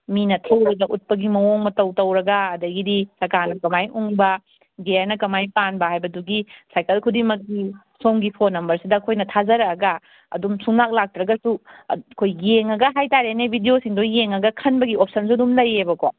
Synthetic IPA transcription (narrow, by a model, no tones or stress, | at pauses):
minɐtʰɐwɾɐɡɐʔut̚pɐɡimɐwoŋmɐtɐwtɐwɾɐɡɐːdɐɡidisɐɾkaɾnɐkɐmajuŋbɐ | ɡeɾnɐkɐmajpanbɐɦhajbɐduɡisajkɐlkʰudimɐk̚ːi | somɡipʰonːɐmbɐɾsidɐːkʰojnɐtʰazɐɾɐɡɐ | ɐ̰dumsuŋnak̚lak̚tɾɐɡɐsukʰojjeŋɐɡɐɦajtaɾenebʱidiosiŋdojeŋɐɡɐkʰɐnbɐɡiop̚sɐnsuɐdumlɐjebɐko